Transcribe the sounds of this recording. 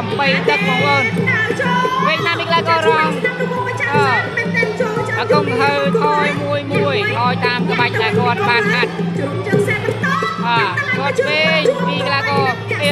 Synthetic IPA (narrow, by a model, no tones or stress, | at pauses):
mɓəjt̪ɨk̚mɔŋoːn | ʋiək̪̚ʰnaːmiklaːkɑːrɑŋŋ | ʔaː | ʔəkoŋt̪ʰəwt̪ʰɑːjmuəjmuəjt̪ʰɔːjt̪aːmkəɓac̚ɗaɛlkŏət̪̚ɓaːnhat̪̚ | ʔaːkŏət̪̚ʋeːɲmiəklakɑː | peː